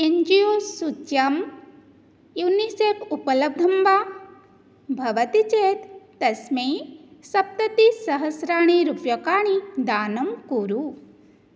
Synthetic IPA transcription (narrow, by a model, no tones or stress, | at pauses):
eɲd͡ʒijoːsut͡ʃjam | juniseːkupɐlɐb̚d̪ʱɐmʋaː | bʱɐʋɐt̪it͡ʃeːt̪ː | ɐsmeːsɐp̚t̪ɐt̪isɐɦɐsɾaːɳiɾupjɐkaːɳid̪aːnɐmkuːɾu